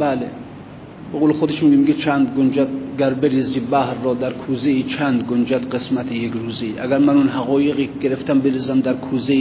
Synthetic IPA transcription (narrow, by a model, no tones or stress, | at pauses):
bæːle | b̥eɣoːlexod̪eʃmiːɡʲemiɡet͡ʃʰænd̪ɡond͡ʒæt̪̚ɡæɾbeɾiːziːbæhɾːɒːd̪æɾkʰuːzeiːt͡ʃʰænd̪ɡond͡ʒæt̪qesmæt̪ʰejekɾuːziʔæ̰ɡʲæɾmænunɦæɣɒːjeɣiːɡe̞ɾeft̪æmbeɾiːzæmd̪æɾkʰuːze